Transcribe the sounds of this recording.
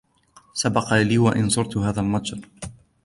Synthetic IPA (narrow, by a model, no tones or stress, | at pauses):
sabɑqɑliːwaʔɪnsˤʊɾt̪ʊhaːðalmadɾ